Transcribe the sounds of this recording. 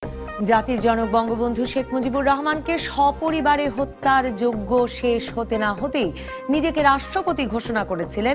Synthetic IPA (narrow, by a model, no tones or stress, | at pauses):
d͡ʑat̪iɾd͡ʑɔnok̚bɔŋɡobond̪ʱuʃekʰmod͡ʑibuɾːɔɦmankeʃɔpoɾibaɾeɦot̪ːaɾd͡ʑoɡːoʃeʃɦot̪enaɦot̪ej | nid͡ʑekeɾaʃʈɾopot̪iɡʱoʃonakoɾet͡ɕʰilen